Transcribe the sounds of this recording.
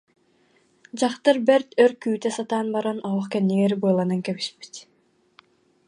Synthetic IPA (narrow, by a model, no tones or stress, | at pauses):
d͡ʑaχt̪ɯɾbɛɾt̪øɾkyːt̪ɛsat̪aːnbaɾɔnɔɔχkɛnːiɡɛɾbɯlˠanɯŋkɛβiʃpi̥t̪